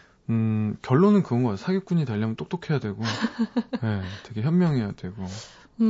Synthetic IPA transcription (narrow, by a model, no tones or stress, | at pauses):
ɯkjʌɭːonɯnkɯɡʌnɡʌkatʰosʰaɡjok̚k͈uɲitaʎːamʌnt͈okt͈okʰe̞jadwe̞ɡo | je̞te̞ɡe̞çjʌmmjʌŋɦe̞jad̥we̞ɡ̥o